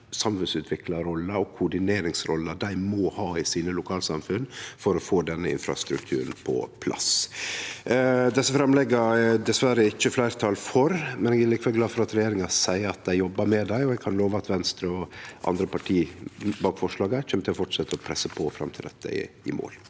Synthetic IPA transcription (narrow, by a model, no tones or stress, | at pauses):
sɑmfʉnsʉːt̪ʰʋɪklɑɾɔlːəɾɔkʰʊɖɪneːɾɪŋsɾɔ̰lːəd̪æɪmɔhɑːɪsiːnəlʊkʰɑːlsɑmfʉnːfɔɾɔfoːd̪ɛnːəɪ̰nfɾɑ̰st̪ɾʉ̰k̚t̪ʰʉ̰ːɾən̩pʰɔ̰pʰlʔɑ̰s | d̪ɛsːəfɾɑmlɛɡːɑɛd̪ɛsʋæɾəɪçːəflæɪɾt̪ʰɑːlfɔɾmɛnɛɡɛlɪkʋɛlɡlɑːd̪fɔɾɑt̪ɾɛjeːɾɪŋɑsæɪəɾɑt̪̚d̪æɪjɔbːɑɾmɛd̪æɪɔɛɡ̚kʰɑnloːʋəɑt̪ʋɛnst̪ɾəɔʔɑ̰nd̪ɾəpɑʈʰiːbɑːkfɔʂɭɑːɡəçɛmət̪ʰɪlɔfɔʈʂɛt̪ːəɔpʰɾɛsːəpʰɔfɾɑ̰mt̪ʰɪld̪ɛt̪ːə̰ɪ̰ | ɪ̰mo̰ːl